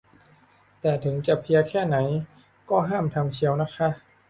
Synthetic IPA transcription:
t̪ɛː˨˩t̪ʰɯ˩˦ŋt͡ɕa˨˩pʰi˧ɐkʰɛː˥˩na˩˦j | kɔː˥˩ɦaː˥˩mt̪ʰa˧mt͡ɕʰi˧əwna˦˥kʰa˦˥ʔ

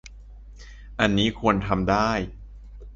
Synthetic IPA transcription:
ʔa˧nːiː˦˥kʰu˧ənt̪ʰa˧mdaː˥˩j

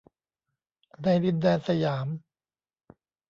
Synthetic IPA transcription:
daː˧˩jɾi˧ndɛː˧nsa˧jaː˩˦m

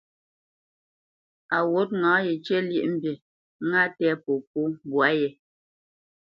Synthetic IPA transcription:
a˨wo˦t̚ŋãː˨˦je˨t͡ʃɛ˦ljḛ˦ʔm̩˦˨bje˨˦ | ŋa˦tɛ˦po˨po˦bwa˨˦jɛ˨

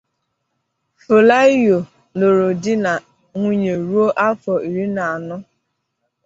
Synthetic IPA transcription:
fo˨la˦jo˨ | no˨ɾo˨dɪ˦na˨ | ŋʷu˦ɲe˨ɾu˦o˦ʔa˦fɔ˨i˨ɾi˦na˨a˨nʊ˦

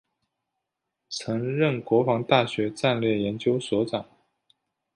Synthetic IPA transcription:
t͡sʰɤ˧˥ŋɻə˥˩nkwɔ˧˥fɑ˧˥ŋt̪a˥˩ɕɥɛ˧˥ʈ͡ʂa˥˧nljɛ˥˩jɛ˧˥nt͡ɕjo˥ʊswɔ˧˥ʈ͡ʂɑ˨˩˦ŋ

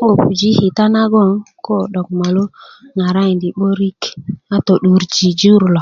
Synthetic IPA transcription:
o˨pu˨d͡ʒi˦hi˨ta˦na˦ɡo˦ŋko˦ɗo˨k̚ma˨lo˦na˨ɾa˦i˨ndi˨ɓo˦ɾi˦ka˦to˨ɗu˨˦ɾd͡ʒi˨d͡ʒu˦ɾlo˨

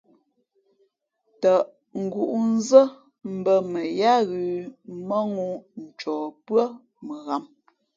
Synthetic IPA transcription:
tə˨ʔ | ŋ̩˨ɡu˨ʔu˦n˦zə˦ | m̩˨bə˦mə˨ja˦ɣʉ˨mə˦ŋu˦n̩˨t͡ʃɔː˨pɰə˦ | mə˨ɣa˨m

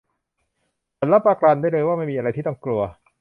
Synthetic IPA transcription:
sʰa˨˦nla˦˥pːaː˧klaː˧ndjlɤː˧jwaː˥˩ma˥˩jmiː˧ʔa˧ɾa˧jt̪iː˥˩ɔ˥˩ŋklu˧ɐ

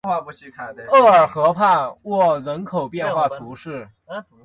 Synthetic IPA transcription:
xwa˥˧˩pu˧˥˩t͡ɕʰi˥˧˩kʰa˥˩˧ɤ˥˩ə˞˨˩xɤ˧˥pʰa˥˧wɔ˥˩ɻə˧˥nkʰo˨˩ʊpjɛ˥˧n˧xwa˥˩t̪ʰu˧˥ʂɻ̩˥˩

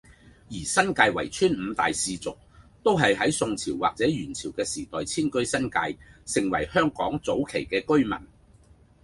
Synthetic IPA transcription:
jiː˨˩sɐ˥nkaː˧jwɐ̰˨˩jt͡ʃʰyː˥nm̩ː˨˧t̪a̰ː˨jsiː˧t͡sʊ˨k̚t̪o˥wɦɐ˨jɦɐ˨˥jsʊ˧ŋt͡sʰiː˨˩wːa̰ː˨k̚t͡sɛː˨˥jyː˨˩nt͡sʰiː˨˩wkɛː˧siː˨˩t̪ɔː˨jt͡sʰiː˥nkɵ˥ɥsɐ˥nka̰ː˧jsɪ˨˩ŋwɐ̰˨˩jhœː˥ŋkɔː˨˥ŋt͡so˨˥wkʰe˨˩jkɛː˧kɵ˥ɥmɐ̰˨˩n

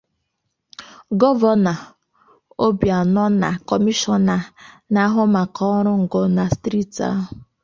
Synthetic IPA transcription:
ɡɔ˦vɔ˦na˨ | o˦bja˨nɔ˦na̰˨kɔ˨mi˦ʃɔ˦na˨ | na˦ɦʊ˦ma˨kɔ˦ɾʊ˦ŋ̩˨ɡɔ˨na˨stɾi˦ta̰˦ɦʊ˦

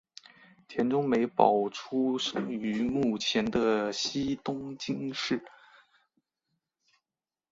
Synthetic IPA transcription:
t̪ʰjɛ˧˥nʈ͡ʂʊ˥ŋme˧˥ɪpɑ˨˩ʊʈ͡ʂʰu˥ʂɤ˥ŋy˧˥mu˥˩t͡ɕʰjɛ˧˥nd̪ə˧ɕi˥t̪ʊ˥ŋt͡ɕi˥ŋʂɻ̩˥˩

